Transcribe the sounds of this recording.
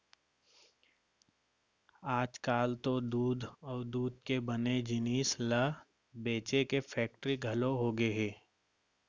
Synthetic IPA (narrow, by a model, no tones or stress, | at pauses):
aːd͡ʒkaːlt̪od̪uːd̪ʱɔːɾd̪uːd̪̚ʱkebəned͡ʒɪniːslə | beːt͡ʃekefʰɛːk̚ʈɾiɡʱɐloɦoɡeɦɛː